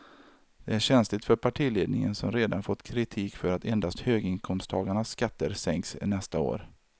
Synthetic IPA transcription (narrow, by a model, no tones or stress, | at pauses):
d̪̥ɛæɾɕɛnslɪt̪fœɾpʰaʈʰiːleːd̪nɪ̰ŋə̰nsɔmɾeːd̪anfɔt̪ːkʰɾɪt̪ʰiːkfœɾat̪ɛnd̪ast̪høːɡɪŋkʰɔmst̪ʰɑːɡaɳasːkat̪ːəɾsɛŋksnɛst̪ao̰ːɾ